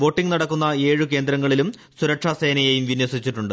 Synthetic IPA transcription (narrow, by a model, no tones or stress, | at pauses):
ʋo̞ːʈːiŋnɐɽɐkːunːɐe̞ːɻuk̬e̞ːnd̪ɾɐŋːɐɭilum | suɾɐkʂase̞ːnɐjejumʋinwɐsit͡ɕːiʈːuɳɖɨ